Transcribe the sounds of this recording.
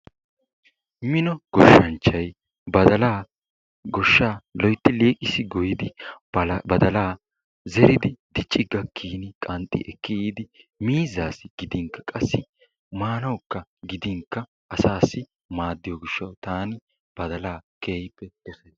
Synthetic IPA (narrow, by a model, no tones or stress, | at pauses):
mɪnɔɡ̥ɔʃːɐnt͡ʃːɐj | bɐd̪ɐlaː | ɡɔʃːaːlɔjt̪ːɪleːkʼɪsɪɡʊjɪd̪ɪ | bɐd̪ɐlaː | zɛɾɪd̪ɪd̪̥ɪt͡ʃʼːɪɡɐkʰːiːnɪkʼɐnt̪ʼːɪ̰ʔɛkːɪiːd̪ɪ | miːzaːsɪɡ̥ɪd̪ɪŋkːɐkʼɐsːɪ | maːnɐwkːɐɡɪd̪ɪŋkːɐ | ʔɐsaːsːɪ | maːd̪ːɪjɔɡɪʃːɐwt̪aːnɪ | b̥ɐd̪ɐlaːkeːjpːɛd̪̥ɔsɐjs